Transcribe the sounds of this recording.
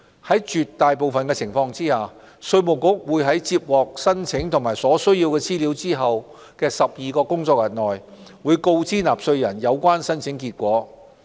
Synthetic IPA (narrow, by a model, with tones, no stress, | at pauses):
hɐ˨˥jt͡ʃyː˨t̪ːaː˨jpo˨wfɐ˨nkɛː˧t͡sʰɪ˨˩ŋfɔː˧ŋt͡siː˥haː˨ | sɵ˧ɥmo˨wkʊ˥k̚wuː˨˧jɦɐ˨˥jt͡siː˧p̚wɔː˨k̚sɐ˥nt͡sʰɪ˨˥ŋt̪ʰʊ˨˩ŋmaː˨˩jsɔː˨˥sɵ˥ɥjiː˧wkɛː˧t͡siː˥li˨˧˥wt͡siː˥ɦɐ˨w | kɛː˧sɐ˨p̚jiː˨kɔː˧kʊ˥ŋt͡sɔː˧k̚jɐ˨˩nːɔː˨j | wuː˨˧jko˧wt͡siː˥naː˨˩p̚sɵ˧ɥjɐ˨˩njɐ˨˧wkʷaː˥nsɐ˥nt͡sʰɪ˨˥ŋkiː˧t̚kʷɔː˨˥